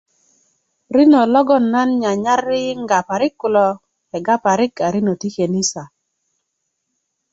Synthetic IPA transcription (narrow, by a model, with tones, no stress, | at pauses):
ɾi˦no˨lɔ˦ɡɔ˦˨nːa˦nɲa˨ɲa˦rːɪ˦ŋɡa˨pa˨ɾɪ˦kːʊ˨lɔ˨ | ɛ˨ɡa˦pa˨ɾɪ˦ka˨ɾi˦no˨ti˦ke˨ni˦sa˨